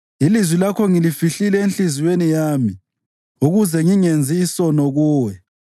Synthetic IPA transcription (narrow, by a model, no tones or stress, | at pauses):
ilizwilakʰɔŋilifiɬilɛenɬiziwenijaːmi | uɣuzɛŋiŋend͡zʱiːsɔnɔɣuːwɛ